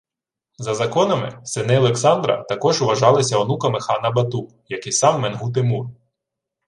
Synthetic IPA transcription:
zɐzɐkɔnɐmɪ̰sɪnɪɔlˠeksɑnd̪ɾɐ̰t̪ɐkɔʒʊʋɐʒɑlˠɐsʲɐɔnukɐmɪxɑnɐbɐt̪u | jɐkɪjsɑmːenɦut̪̬ɪmur

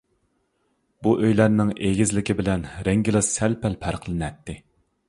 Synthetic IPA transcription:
buʔøjlæɾnɪŋeɡʲɪzlɪkʲibɪlɛnɾɛŋɡʲilˠɨsɛlpʰælpʰæɾqʰlˠɨnɛt̪ːɪ

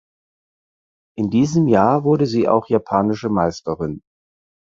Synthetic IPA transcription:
ʔɪndiːzəmjaːɐvʊɐɾəziːʔa̰ʊxjapʰaːnɪʃəmaɪstəʁɪn

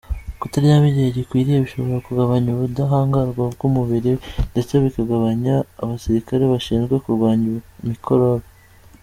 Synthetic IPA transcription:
kutaɾijaβiɟeɟikwiːɾijeβiʃo̞βo̞ɾakuɡaβaɲuβudaɦaːŋɡaɾɡwab̚ɡuːmuβiɾindet͡se̞βikaɡaβaɲaːβasiɾikaɾe̞βaʃiːnzɡwe̞kuɾɡwaːɲumikʰo̞ɾoɾa

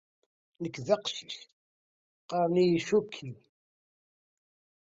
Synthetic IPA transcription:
nəkːðəqʃç | qɑɾˤnijʃukʰːi

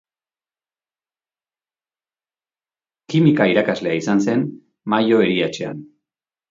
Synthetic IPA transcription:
kimikaiɾakazle̞aisanse̞n | majo̞eɾiat͡ʃe̞a̰n

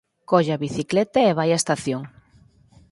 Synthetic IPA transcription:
kɔʎaβiθiklɛt̪aeβ̞ajaest̪aθjoŋ

